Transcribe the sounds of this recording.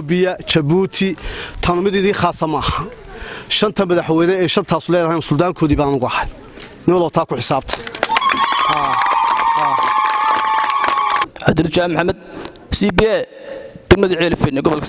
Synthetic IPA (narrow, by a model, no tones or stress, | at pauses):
bɪjɐt͡ʃɐβuːt̪ʰɪt̪ʰɐnmɪðɪðiːχaːsɐmaːhɐ | ʃɐnt̪ʰɐmɐðɐħwɛjnɛɛːʃɐrt̪ʰaːsʊlɛjðɐɦɛnsʊld̪aːŋkʰɔːðiβaːnʊɣʊɐhɐj | nɪnwɐlɔːt̪ʰaːkʰʊħɪsaːbt̪ʰɐ̥ | haː | ʕad̪ɪrt͡ʃaːmħamːɐd̪̚ | sibiɛd̪̥ɐɡmɐðɪʕɛːlfɛnɪɡɔβɔlkʰɐ̥s